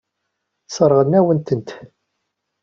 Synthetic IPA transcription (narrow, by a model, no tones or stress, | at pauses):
səɾˤʁənːæwənt̪ənt̪